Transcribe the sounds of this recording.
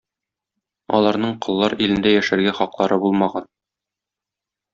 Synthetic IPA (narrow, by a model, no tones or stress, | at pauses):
ɒ̰lˠɑɾnɤɴqɤ̆lˠːɑɾilɘ̆nd̪æjæʃæɾɡæχɒqlˠɑɾɤbulˠmɑʁɑn